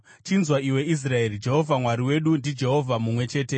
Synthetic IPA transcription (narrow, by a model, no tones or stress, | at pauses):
t͡ʃinzwaiwe̞is̬rae̞rid͡ʒe̞ɦo̞vʱamwaɾiwe̞ɗundid͡ʒe̞ɦo̞vʱamumwe̞t͡ʃe̞ːte̞